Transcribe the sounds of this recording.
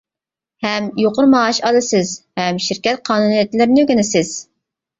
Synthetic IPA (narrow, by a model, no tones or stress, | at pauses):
hɛmjoqʊɾmɑɑʃɑd̪ɨsɪzhɛmʃɪɾkʲɛt̪̚qʰɑːnunijɛt̪ʰlɪɾnyɡʲinɪsɪz̥